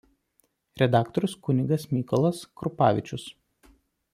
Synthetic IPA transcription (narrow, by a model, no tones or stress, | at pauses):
ɾʲɛd̪ɑːkt̪ɔɾʲʊskʊnʲɪɡɐsmʲikɔlˠɐskɾʊpɑːʋʲɪt͡ʃʲʊs